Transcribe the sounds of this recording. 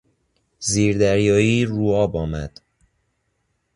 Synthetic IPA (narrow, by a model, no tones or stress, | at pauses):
ziːɾd̪æɾjɒːjiːɾuːɒːbɒːmæ̰d̪̥